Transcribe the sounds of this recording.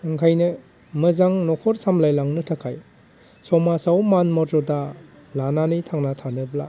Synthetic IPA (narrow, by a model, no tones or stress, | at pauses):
ɯŋkʰajnɯ | mɯzaŋnɔkʰɔɾsamlajlaŋnɯtʰakʰaj | sɔmasawmanmɔtɔta | lananitʰaŋnatʰanɯbla